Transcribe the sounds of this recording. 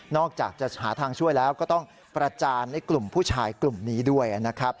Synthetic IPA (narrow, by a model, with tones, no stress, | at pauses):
nɔː˥˩k̚t͡ɕa̰ː˨˩k̚t͡ɕa˨˩haː˩˦t̪ʰaː˧ŋt͡ɕʰu˥˩əjlɛː˦˥wkɔː˥˩t̪ɔ˥˩ŋ | pɾa˧t͡ɕaː˧nːa˥˩jklu˨˩mpʰuː˥˩t͡ɕʰaː˧jklu˨˩mniː˦˥du˥˩əjʔa˨˩na˦˥kʰɾa˦˥p̚